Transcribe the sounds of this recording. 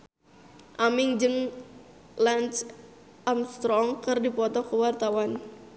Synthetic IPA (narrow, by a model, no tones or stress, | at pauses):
ʔamɪŋd͡ʒɨŋ | lant͡ʃ | amst̪ɾɔŋkɨrdipɔt̪ɔkəwart̪awan